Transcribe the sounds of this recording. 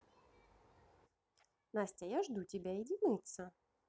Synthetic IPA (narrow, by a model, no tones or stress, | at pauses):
nasʲtʲɛjaʐd̪ut͡sʲibʲɛjɛdʲinʲit̪sɐ